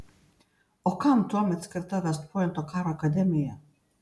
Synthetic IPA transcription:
ɔkant̪uamɛt̪skəɾt̪ad̪ast̪pɔɛnt̪ɔkaɾakad̪ɛmija

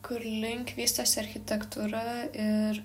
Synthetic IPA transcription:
kʊɾlʲɪŋʲkʲʋʲiːst̪ɐsɐɾʲxʲɪt̪ʲɛkt̪uːɾɐɪɾ

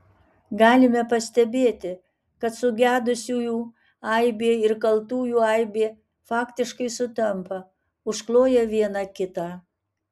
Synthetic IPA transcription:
ɡɑːlʲɪmʲɛpɐsʲt̪ʲɛbʲeːt̪ʲɪ | kɐt̪sʊɡʲæːd̪ʊsʲuːjuː | ɐɪbʲeːɪɾkɐlˠt̪uːjuːɐɪbʲeː | fɑːkt̪ʲɪʃkɐɪsʊt̪ʲɛmpɐ | ʊʃklˠoːjɛʋʲiɛnɑkʲɪt̪ɑː

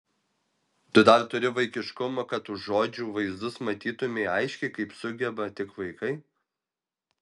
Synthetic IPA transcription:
t̪ʊd̪ɐɾt̪ʊɾʲɪʋɐɪkʲɪʃkʊmokɐt̪ʊʃʒoːd͡ʒʲuːʋɐɪzd̪ʊsmɐt̪ʲiːt̪ʊmʲeɐɪʃʲkʲɛɪkɐɪpsʊɡʲɛbɐt̪ʲɪkʋɐɪkɐɪ

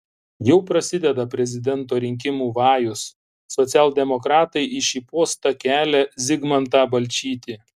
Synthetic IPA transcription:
jɛʊpɾɐsʲɪd̪ʲɛd̪ɐpʲɾʲɛzʲɪd̪ʲɛnt̪oːɾʲɪŋʲk̬ʲɪmuːʋɑːjʊsː | ɔt̪sʲæːlˠd̪ʲɛmɔkɾɑːt̪ɐɪʔɪʃʲiːpoːst̪ɐkʲæːlʲɛzʲɪɡmɐnt̪ɑːbɐlʲt͡ʃʲiːt̪ʲi

